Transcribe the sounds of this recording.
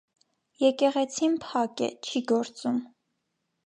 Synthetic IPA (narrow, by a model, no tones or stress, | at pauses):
jɛkɛʁɛt͡sʰinpʰɑkɛ̰t͡ʃʰiɡɔɾt͡sum